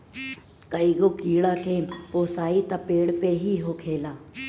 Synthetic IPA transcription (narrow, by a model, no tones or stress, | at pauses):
kəiːɠoːkiːɽaːkʰeːpoːsaːit̪ɐpeːɽpeːɦiːɦoːkʰeːlaː